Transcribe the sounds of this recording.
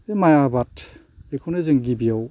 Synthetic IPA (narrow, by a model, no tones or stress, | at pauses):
emajabatʰ | ekʰownɯzɯŋɡibijaw